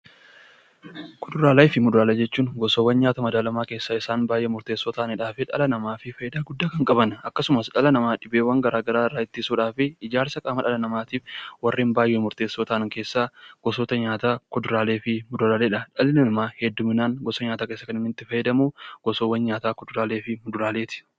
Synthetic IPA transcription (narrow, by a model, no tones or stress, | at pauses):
kʰɔd̪ʊɾaːlɐjfɪmʊd̪ʊɾaːlɐd͡ʒɛt͡ʃːuːŋɡɔsowːɐnɲaːt̪ɐmɐd̪aːlɐmaːke̞ːsːaːɪsaːnbaːjʔeːmʊɾt̪e̞ːsːoːt̪aːʔnɪᶑaːfɪᶑɐ̰lɐnɐmaːfɪfɐjɪd̪aːɡʊd̪ːaːkɐŋkʼɐbɐnɐkːɐsʊmɐsᶑɐlɐnɐmaːᶑɪbeːwɐŋɡɐɾaːɡɐɾaːrːaːɪt̪ːɪsuːᶑaːfɪɪd͡ʒaːɾsɐkʼaːmɐᶑɐlɐnɐmaːt̪iːfwɐrːiːnbaːjʔeːmʊɾt̪e̞ːsːoːt̪aʔɐŋkeːsːaːɡ̥ɔsoːt̪ɐɲaːt̪aːkɔd̪ʊɾaːleːfɪmʊd̪ʊɾaːleːᶑɐᶑɐlɪnɐnmaːhɛd̪ːʊmɪnaːŋɡɔsɐɲaːt̪aːke̞ːsːɐkɐnɪmɪt̪ːɪfɐjɛd̪ɐmuːɡ̥ɔsowːɐnɲaːt̪aːkɔd̪ʊɾaːleːfɪmʊd̪ʊɾaːleːt̪ɪ̥